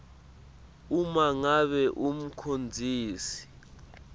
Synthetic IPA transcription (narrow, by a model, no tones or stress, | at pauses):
umaŋaɓɛʔum̩kʰond͡zʱiːsi̥